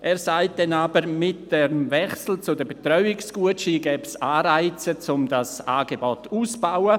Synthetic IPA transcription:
ʔɛːɾsaɪt̚d̥ɛnaːbəɾmɪt̚d̥ɛmvɛχsl̩t͡sʊdəbetɾɔʏɪksɡ̥uəʃiɡɛːbsaːɾaɪt͡sət͡sʊmdasaːɡebɔtʰuːsb̥awə

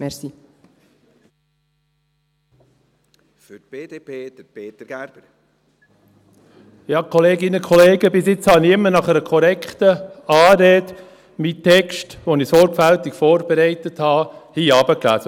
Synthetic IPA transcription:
mɛsi | fʏtb̥eːd̥eːpʰeːd̪̥əpeːtəɾɡ̥æɾb̥əɾ | jɑːkʰɔleːɡɪnəkʰɔleːɡəbɪsɪt͡shɑnɪɪmːənɑχɛɾəkʰɔɾɛkχt̪əɑːɾeːd | mit̪ʰɛkʃtʋonɪsɔɾkfælt̪ɪkfɔːɾb̥eɾɛɪt̪əthɑːhiːɑːb̥əklæ̰ːsə

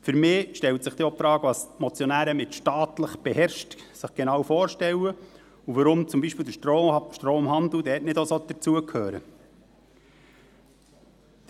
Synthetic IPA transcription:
fʏɾmɪːʃtɛltsɪχd̥̪iopfɾɑːɡəʋɑsmɔt͡sjɔnæːɾəmɪt̪ʃtɑːt̪ləχb̥ehɛɾʃtsɪχɡ̥enɑwfoːɾʃtɛwə | uʋəɾʊmt͡sʊmbiːʃpiːld̪əʃtɾoːmɦɑnd̪l̩d̪ɛːtnɪdosod̪̥ət͡suəkʰhøːɾə̰

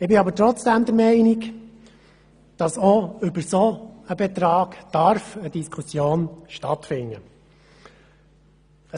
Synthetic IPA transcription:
ɪbɪɑbəɾtɾɔt͡sd̪̥æmd̪əɾmɛɪnik | d̥ɑsoʏbəsoəbɛt̪ɾɑːɡd̪̥ɑɾfəd̥̪iskʰusjoːnʃtɑ̰t̪fɪnːə

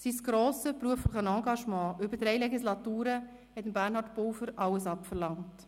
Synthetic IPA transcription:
sisɡ̥ɾoːsəpɾuəflɪχənɑ̃ːɡɑʃmɑ̃ːʔʏbədɾɛɪlɛɡislɑtuːɾə | hɛtəmbæːʁnhɑɾtpowfəɾɑwəsɑpfəɾlɑŋt

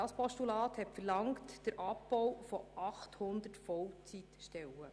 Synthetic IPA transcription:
ɑspɔʃtulɑːt̪hɛtfərlɑŋtd̥əɾʔɑpbɔwfɔʔɑχthʊnd̪ətfɔwt͡sit̪ʃtɛwə

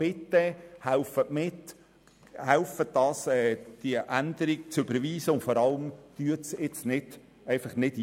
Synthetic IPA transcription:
ɪt̪ːɛhæʊfətmɪt | hælfət̚dɑːsɛːd̥iəʔænd̪̥əɾiɡ̚t͡sʏbəɾʋiːsəʊntfɔɾɑləmd̪̥yətt͡sɪt͡snɪd̥ | ɛɪfɑχnɪd̥

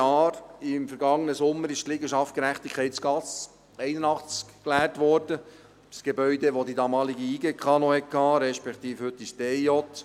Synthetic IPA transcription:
ɑːɾɪmfəɾɡɑŋːənəsʊmːəɾɪʃt̪lɪɡəʃɑftkəɾæχt̪ikʰχɛɪtt͡sɡ̥ɑt͡s | ɛɪnənɑχt͡skklæːɾtʋɔɾd̥ə | sɡ̥ebœʏdeʋod̪idɑmɑːliɡiiːɡekʰɑːnohɛt̚kʰɑːɾɛʃpɛkt̪iːfhɵt̪ːistɛjɔt̪

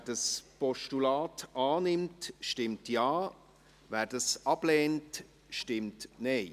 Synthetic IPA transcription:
ɛdəspɔʃtulaːtaːnɪmtʃtɪmtjaː | vɛːɾdɑsɑb̥lɛːnt | ʃtɪmtne

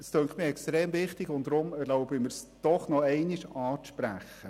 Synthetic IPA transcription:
əstøŋkχtmɪɛkstɾeːmvɪχtɪɡʊn̚d̥ɾʊmɛɾloʊbəmɪɾsd̥ɔχnɔɛɪniʃɑːʃpɾæ̰χə

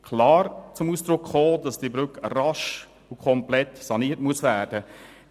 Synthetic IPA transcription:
kʰlɑːɾt͡sʊmuːsd̥ɾʊkχoːdɑsd̥ibɾʏkrɑʃ | ukʰɔmplɛtsɑniːətmuəsvæːɾd̥ə

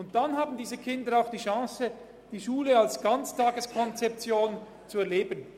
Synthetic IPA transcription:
ʊnt̚d̥anɦaːbn̩diːzəkʰɪndəɾaʊxd̥iːʃɑ̃ːsə | d̥iːʃuːləalsɡ̥ant͡stʰɑːɡəskʰɔnt͡sɛp̚t͡sjoːn | t͡suɛɐleːbən

